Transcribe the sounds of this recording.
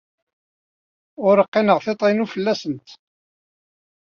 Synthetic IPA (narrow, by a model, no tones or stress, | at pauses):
ʊɾəqːɪnəʁθet̪ˤinufəlːæsənt̪